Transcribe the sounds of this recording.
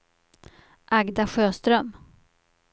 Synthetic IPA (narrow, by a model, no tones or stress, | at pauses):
ʔaɡd̪aɧøːst̪ɾœm